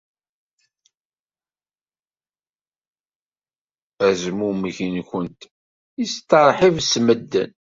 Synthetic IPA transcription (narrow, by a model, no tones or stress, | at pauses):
æzmuməʝinçənt̪ | ist̪ːəɾˤħivsməd̪ːə̰n